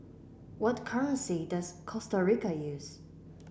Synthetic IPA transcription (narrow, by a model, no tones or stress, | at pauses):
wʌtkʰɜɹə̃nsidʌz̥kʰɔstəɹikəjʉz̥